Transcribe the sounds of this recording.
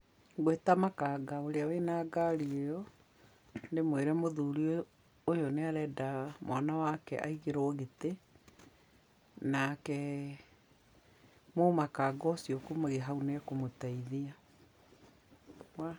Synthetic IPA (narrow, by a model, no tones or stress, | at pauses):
ɡwetamakaɡaoɾeawenaɡaɾiojɔ | ndemweɾɛmoðuɾio | ojoneaɾɛdamwʔanawakɛ̰ʔaiɣeɾoɣete | nakɛ | momakaɡɔsiokomoɣeɦaunekomotaiðia | a